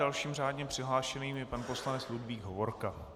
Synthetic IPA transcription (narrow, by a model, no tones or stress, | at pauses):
alʃiːmr̝aːdɲɛpr̝̥ɪɦlaːʃɛniːmjɛpanpo̞slanɛt͡sludviːɡɦovo̞ɾka